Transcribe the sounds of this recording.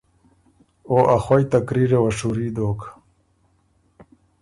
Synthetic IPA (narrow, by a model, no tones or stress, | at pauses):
oʔaxwojt̪akɾiɾewɐʂuɾiːd̪oːk